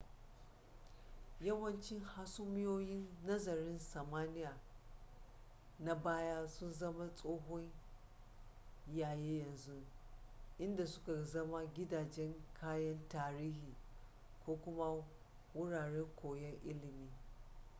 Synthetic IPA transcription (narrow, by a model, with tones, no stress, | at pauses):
jɐ˦wɐ˦nt͡ʃɪ˦ŋha˦sʊ˦mɪ˦joː˦jɪ˦nːɐ˦zɐ˨ɾɪ˦nsɐ˨maː˦nɪ˦jaː˨ | na˨baː˦ja˦sʊ˦nzɐ˦ma˦sʼoː˦ɦɔ˦ɲ | jaː˨jeː˦jɐ˨nzu˦ | ʔɪ˦nda˨sʊ̥˦ka˨zɐ˦ma˦ɡʲɪ˦daː˨d͡ʒɛ˦ŋkʰaː˦jɐ˦ntaː˦ɾiː˦hiː˨ | kʷoː˦kʷʊ˦ma˦ | wʊ˦ɽaː˨ɽɛ˦ŋkʷʰoː˨jɛ˦ŋʔɪ˦lɪ˨miː˦